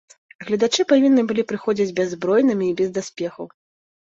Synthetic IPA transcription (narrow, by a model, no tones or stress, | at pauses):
ɣlʲɐd̪at͡ʂɨpavʲinːɨbɨlʲipɾɨxɔd͡zʲid͡zʲbʲɛzːbɾɔjnɨmʲiːbʲɛzd̪asʲpʲɛxɐw